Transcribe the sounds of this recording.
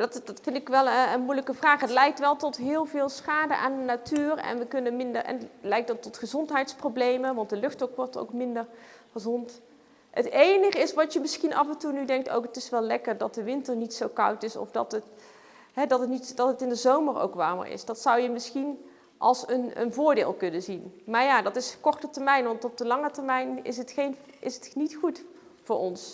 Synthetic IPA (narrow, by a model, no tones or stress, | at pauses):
adɑtdɑtfɪndɪkʋɛlˠəənmujləkəvraːχɦətlɛjk̚tʋɛlˠtɔtɦɪːlˠvɪːlˠsχaːdə̰ʔaːndənatyːrɛ̰nʋəkɵnənmɪndərɛ̰nlɛjk̚dɑtːɔtχəzɔntɦɛjtsprowblejmənʋɑnt̚dəlɵxtɔkʋɔɹto̰wkmɪndəɹχəzɔnt | ə̰tejnəχəɪsʋɑtjəmɪsχinʔɑvɛntunydɛŋk̚to̰wkətɪsʋɛlɛkərdɑt̚dəʋɪntəɹnitsowkɑ̰wtɪsɔ̰fdɑ̰tət | ɦɛdɑtətnitd̥ɑtətɪndəzowməro̰wkʋaːɹmə̰ɹɪ̰sdɑtsɑwjəmɪsxin | ʔɑ̰lˠsənə̰nvʊːɹdɪːlˠkɵnənzinmaːɹjaːdɑtɪskɔɹtətəɹmɛjnʋɑntɔb̚dəlɑŋətəɹmɛjnɪ̰sətχejnɪsətnitχut | vʊːɹɔns